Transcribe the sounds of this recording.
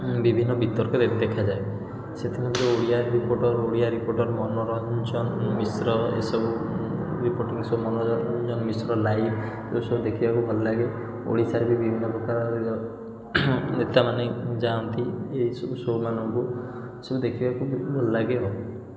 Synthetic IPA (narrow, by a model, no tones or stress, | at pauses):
bibʱinːɔbʱit̪ɔɾkɔdet̪d̪ekʰad͡ʒae | set̪ʰimɔnt̪eoɽijaɾɾipoɾʈɔɾoɽiaɾipoɾʈɔɾmɔnɔɾnd͡ʒɔnmisɾɔḛsɔbuɾipoɾʈiŋsɔmɔnɔnd͡ʒɔnmisɾɔlajbʰ | sɔbusɔbud̪ekʰibakubʱɔlɔlaɡe | o̰ɽisaɾebibibʱinːɔpɾɔkaɾɔɾe | et̪amaned͡ʒaunt̪ieisɔbusomanɔŋku | sɔbud̪ekʰibakubʱɔlɔlaɡeɦɔ